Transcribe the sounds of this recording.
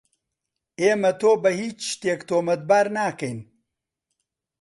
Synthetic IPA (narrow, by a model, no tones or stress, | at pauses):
eːmɐt̪oːbɐhiːt͡ʃːt̪eːkt̪oːmɐt̪̚baːɾnaːkɐjn